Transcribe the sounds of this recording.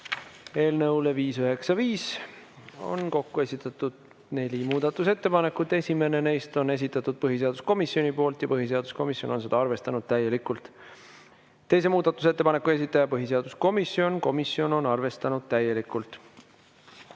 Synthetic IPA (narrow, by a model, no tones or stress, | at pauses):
e̞ːlnɤwle̞viːsøɦe̞ksɑviːs | o̞̰nko̞kːue̞sʲit̪ːˑɑt̪ːˑud̪̥ | ne̞lʲimuːd̪̥ɑt̪ːˑuse̞t̪ːe̞pɑne̞kːˑut̪ːˑe̞sʲime̞ne̞ne̞jst̪o̞ne̞s̬ʲit̪ːˑɑt̪ːˑud̪̥̚pɤɦise̞ɑd̪̥u̥sko̞misːio̞nʲipo̞ːlt̪ˑjɑpɤɦis̬e̞ɑd̪̥usko̞misjo̞no̞nse̞d̪ɑɑrve̞st̪ɑnud̪̥̚t̪æjːe̞likˑult̪ˑ | t̪ːe̞js̬e̞muːd̪̥ɑt̪ːˑus̬e̞t̪ːepɑne̞kːˑue̞s̬it̪ːˑɑjɑpɤɦise̞ɑd̪̥usko̞misːjo̞nko̞misio̞no̞nɑrve̞st̪ɑnud̪̥̚t̪æje̞likˑult̪ˑ